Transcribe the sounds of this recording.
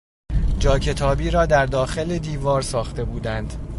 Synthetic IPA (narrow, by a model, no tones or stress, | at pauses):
d͡ʒɒːcʰe̞t̪ʰɒːbiːɾɒːd̪æɾd̪ɒːxe̞led̪iːvɒːɾsɒːxt̪e̞buːd̪ænd̪̥